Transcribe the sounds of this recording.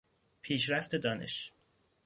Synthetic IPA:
pʰiːʃɾæft̪ʰe̞d̪ɒːne̞̰ʃ

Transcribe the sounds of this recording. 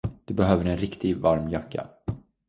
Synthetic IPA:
d̪̥ɵbɛɦøːvəɾɛnɾɪkt̪ɪɡvaɾmjœkːa̰

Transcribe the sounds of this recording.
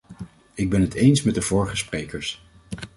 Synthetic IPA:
ɪɡ̚bɛnɦətejnsmɛd̚dəvɔːɹχəsprejkəɹs

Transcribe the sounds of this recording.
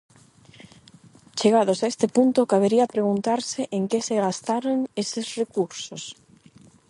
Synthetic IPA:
t͡ʃeɣað̞ʊsaest̪ɪpunt̪ʊkaβeɾiɐpɾeɣunt̪aɾsɪʔeŋkeseɣast̪aɾoŋesɪsrekuɾsos

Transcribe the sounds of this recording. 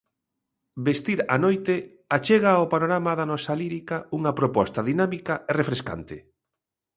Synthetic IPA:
best̪iɾa̰nojt̪e | at͡ʃeɣaopanoɾamaðanɔsaliɾikauŋɐpɾopɔst̪ɐðinamikɐaerefɾeska̰nt̪ɪ̰

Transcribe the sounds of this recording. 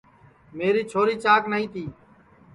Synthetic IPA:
meːɾiːt͡ʃʰoːɾiːt͡ʃaːknəɦĩːt̪iː

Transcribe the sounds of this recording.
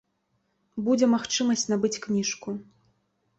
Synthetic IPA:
bud͡zʲɛmaxt͡ʂɨmɐsʲt͡sʲnabɨt͡sʲknʲiʂku

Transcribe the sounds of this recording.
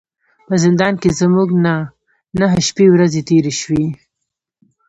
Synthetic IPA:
pəzɪnd̪ɑnkezmuɡna | naɦəʃpewɾazet̪eɾeʃwi

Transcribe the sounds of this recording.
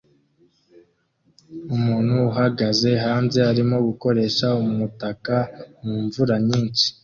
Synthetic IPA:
umuːnhuːɦaɡaze̞ɦaːnze̞aɾimo̞ɡuko̞ɾe̞ʃaumutakamuːɱvuɾaɲiːnt͡ʃi̥

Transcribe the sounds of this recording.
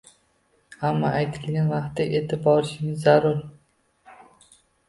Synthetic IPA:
hamːaʔajt̪ʰɪlɡʲanvɑqt̪ːɪʔe̞t̪ʰɪbɒɾɪʃɪŋɪzːaɾʊɾ

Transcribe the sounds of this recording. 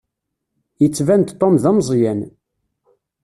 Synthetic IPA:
jət͡sːvænt̪t̪ˤːomðæmzˤjæn

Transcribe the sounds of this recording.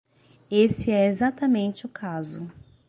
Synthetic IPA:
esɪɛezat̪ɐmẽnt͡ʃɪʊkʰazʊ

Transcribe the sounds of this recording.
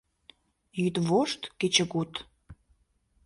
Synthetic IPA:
jyt̪βoʃt̪ket͡ɕə̆kut̪

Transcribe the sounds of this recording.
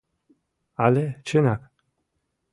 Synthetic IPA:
alɛt͡ʃʰenak

